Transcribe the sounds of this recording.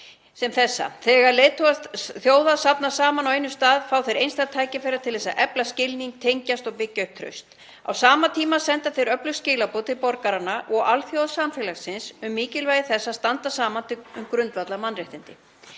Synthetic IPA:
sɛmθɛsːa̰θɛɣaɾlejðt̪ʰɔɣθjoːwðasapnasaːmanawejnːʏ̥st̪aːðfaːwθejɾejnst̪ajt̪ʰaːjcɪfɛeɾaɾt̪ʰɪlθɛsːaʔɛplascɪlniŋk̚t̪ʰejɲcast̪ɔɣpɪcːœɥhp̚t̪ʰɾœ̰ɥst̪ | a̰wsaːmat̪ʰiːmasɛnt̪aθejɾœplʏscɪːlapoːt̪ʰɪlpɔɾkaɾanːaʔɔɣalθjowðasamfɛːlasɪnsʏmːiːcɪlvaːjɪθɛsːast̪ant̪asaːmant̪ʰɪʏmkɾʏnt̪vat̪lamanrɛht̪ɪnt̪ɪ

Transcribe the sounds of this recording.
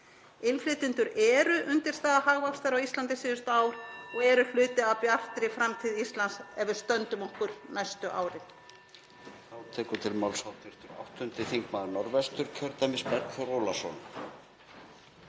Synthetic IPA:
ɪnflɪːt̪ɪnt̪ʏɾɛːɾʏʔʏnt̪ɪɾ̥st̪aːðaɦaɣvakst̪aɾawist̪lant̪ɪsɪːðʏst̪ʏaːwɾɔɣɛɾʏl̥ʏːt̪ɪawpjar̥t̪ɾɪfɾamt̪ʰɪðist̪lansɛvʏɾ̥st̪œnt̪ʏmɔhkʏɾ̥najst̪ʏʔa̰ːwɾɪ | θawt̪ʰɛːkʏt̪ʰɪlmawlsawt̪ʰɪr̥t̪ʏɾa̰wht̪ʏnt̪ɪθiŋkmaːðnɔɾvɛst̪ʏɾ̥cʰœɾt̪amɪspɛɾkθɔɾɔːlasɔn

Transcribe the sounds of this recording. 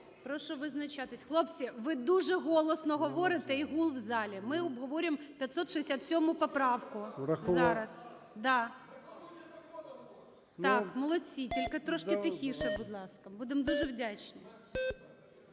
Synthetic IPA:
pɾɔʃɔʋɪznɐt͡ʃɑt̪ɪsʲxlˠɔpt͡sʲiʋɪd̪uʒɛɦɔlˠɔsnɔɦɔʋɔɾɪt̪ɛiɦulˠwzɑlʲimɪɔbɦɔʋɔɾʲɪmpʲjɐt̪sɔt̪ʃɨesʲat̪sʲɔmʊpɔpɾɑwkʊɾɐzɑɾɐs | d̪ɑ | ɑkmɔlˠɔt͡sʲitʲilʲkɪt̪ɾɔʃk̪ɪt̪ɪxʲiʃɛbʊd̪lˠɑskɐbud̪emd̪uʒɛwdʲat͡ʃnɪ

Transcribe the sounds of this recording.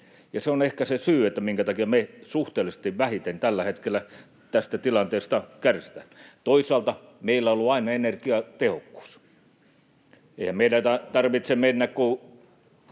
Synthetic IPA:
jɑseonehkæsesyːet̪ːæmiŋkæt̪ɑkiɑmesuht̪eːlisĕ̥t̪iʋʋæhit̪ent̪ælːæhet̪kelːˑæ | t̪æst̪æt̪ilɑnt̪eːst̪ɑkærsi̥t̪æt̪oisˑɑːlt̪ɑmeilːæolːuɑinɑenerkiɑt̪ehokːu̥ːs | eihæmmeilæt̪ɑt̪ɑrʋit̪semenːækku

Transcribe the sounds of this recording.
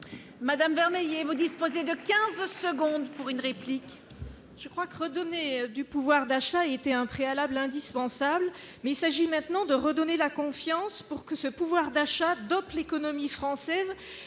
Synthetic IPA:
mad̪amvɛʁmejevud̪ispozed̪əkʲɛ̃zsəɡɔ̃d̪puʁynʁeplik | ʒ̥əkχwakəʁəd̪ɔned̪ypuvwaʁd̪aʃaeet̪eɛ̃pχealablɛ̃d̪ispɑ̃sabl | mɛilsaʒimɛ̃t̪nɑ̃d̪əʁəd̪ɔnelakɔ̃fjɑ̃spuʁkəsəpuvwaʁd̪aʃad̪ɔplekɔnɔmifχɑ̃sɛz

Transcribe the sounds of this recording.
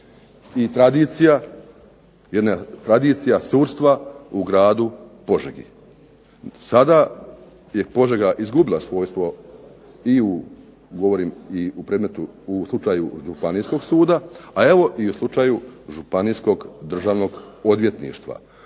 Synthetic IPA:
it̪ɾad̪it̪sija | jed̪nat̪ɾad̪iːt̪sijasuːɾst̪ʋauɡɾaːd̪upo̞ʒeɡḭ | sad̪a | je̞po̞ʒeɡaʔizɡubilˠasʋo̞ːjst̪ʋo̞ | iu | ɡo̞ʋo̞ɾiːmiupɾed̪me̞t̪uːslˠut͡ʃaːjuʒupanijsko̞ɡsuːd̪aae̞ʋo̞ʔiuslˠut͡ʃaːjuʒupanijsko̞ɡd̪r̩ʒaːʋno̞ɡo̞d̪ʋje̞t̪nḭːʃt̪ʋa̰

